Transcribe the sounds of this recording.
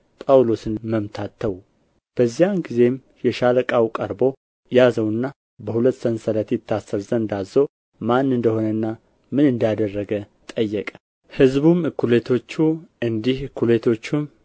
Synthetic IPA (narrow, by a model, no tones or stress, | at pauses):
pʼawlosɨnməmt̪ʰat̪ʰːəw | b̥əzːijamɡize̞m | jɛʃaləkʼawkʼəɾbo̞ | jazəwɨnːa | bəhulət̪ːsənsələt̪ɛt̪ʰːasəɾzənnd̪azːo | manːɨnd̪əho̞nənːa | mɨnɨnd̪ad̪ərːəɡə | t̪ʼəjːɛkʼə̥ | hɨzbumɨkʰːulet̪ʰo̞t͡ʃːuɨnd̪ihɨkʰːulet̪ʰo̞t͡ʃːum